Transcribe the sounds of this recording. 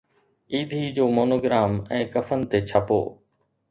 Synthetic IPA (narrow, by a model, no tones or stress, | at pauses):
iːd̪ʱid͡ʑoːmoːnoːɡɾaːmɛ̃ːkɐfənɪ̆t̪et͡ɕʰəpo̰ː